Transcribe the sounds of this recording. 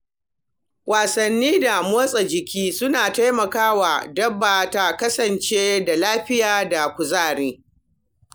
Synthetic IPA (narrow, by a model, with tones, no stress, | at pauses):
wʔaː˨sɐ˨nːiː˦da˨moː˦sʼa˨d͡ʒɪ˨kʲiː˦sʊ˦naː˨ta˦jmɐ˨kaː˦wa˨dɐ˦bːaː˨ta˨kɐ˦sɐ˨nt͡ʃeː˦da˨laː˦ɸɪ˦jaː˨da˨kʷʊ˨zaː˦˨ɽeː˦